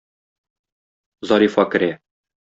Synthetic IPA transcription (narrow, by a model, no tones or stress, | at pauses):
zɒɾifɑkɘ̆ɾæ